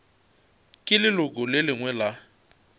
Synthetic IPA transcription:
kʼɪlɪlʊkʼʊlɪlɪŋwɛla

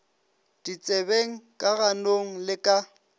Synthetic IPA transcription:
d̥it͡sʼebeŋ̩kʼaɣanoŋ̩lɪkʼa

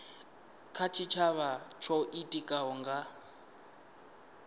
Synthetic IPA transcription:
kʰat͡ʃʰit͡ʃʰaβat͡ʃʰɔʔitʼikʼaɦɔŋɡa

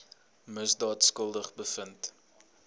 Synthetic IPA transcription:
məsdɑːtskəlˠdəχbəfənt

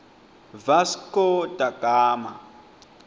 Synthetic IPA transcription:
vaskɔdaɡ̥ʱaːma̰

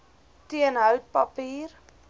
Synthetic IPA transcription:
tiənɦœwt̚pɐpiːr

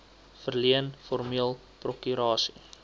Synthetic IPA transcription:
fərliənfɔrmiəlˠ | prɔkyɾɑːsi̥̰

